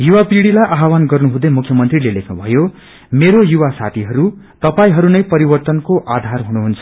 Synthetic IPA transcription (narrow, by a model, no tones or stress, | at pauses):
juwapiɽilajʔaɦawanɡʌrnuɦũd̪ʌjmukʰːjʌmʌnt̪rilelekʰnubʱʌjo | meɾojuwasa̰t̪ʰiɦʌɾu | t̪ʌpaĩɦʌɾunʌjpʌɾibʌrt̪ʌnkoʔad̪ʱarɦunuɦunt͡sʰʌ̥